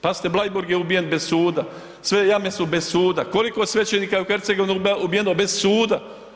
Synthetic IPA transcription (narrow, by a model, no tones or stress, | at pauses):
pazi̥t̪eblˠajbuɾɡjeubije̞nbe̞zsuːd̪a | sʋejame̞subezsuːd̪ako̞likosʋet͡ʃeniːkajeuxeɾt̪seɡo̞ʋinuubijenobe̞zsuːd̪a